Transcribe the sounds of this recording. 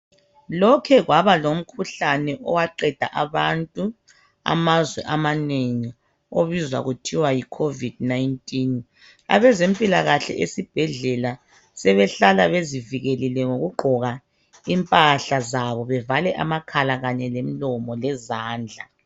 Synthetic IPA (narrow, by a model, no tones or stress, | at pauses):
lɔkʰɛɣwaβalom̩kʰuɬanɛʔɔwaǃɛd̥ʱa̰ʔaβantʼu | a̰mazwɛʔamaneŋi | oβizwa̰ɣutʰiwajikʰovid̥̚najntʼin | a̰βɛzempʼilaɣaɬɛ̰ʔesib̥ʱɛɮɛla | sɛβɛɬalaβeziviɣelilɛŋoɣuɡ͡ǃʱɔɣa | impʼaɬazaβɔβɛvalɛʔa̰makʰalaɣaɲɛlem̩lɔmɔlɛzaːnd͡ɮʱa